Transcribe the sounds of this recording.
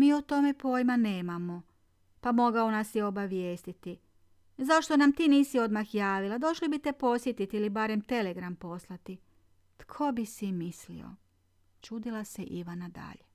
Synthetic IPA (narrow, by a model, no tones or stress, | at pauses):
miːot̪o̞me̞po̞ːjmane̞ːmamo̞ | pamo̞ɡao̞nasjeo̞baʋje̞ːst̪it̪i | zaʃt̪o̞namt̪iːniːsio̞d̪maxjaːʋilad̪o̞ʃlibit̪e̞po̞sjet̪it̪iilibaɾe̞mt̪e̞le̞ɡɾampo̞slˠat̪i | t̪kʰo̞bisimislḭo̞̰ | t͡ʃuːd̪ilˠaseʔiʋanad̪a̰ʎe